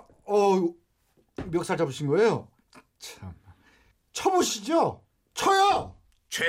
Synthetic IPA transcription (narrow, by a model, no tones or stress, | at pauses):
ʌ | mjʌk̚s͈ʰad͡ʑabuɕʰinɡʌejo | t͡ɕʰam | t͡ɕʰʌboɕʰid͡ʑo | t͡ɕʰʌjʌ | t͡ɕʰ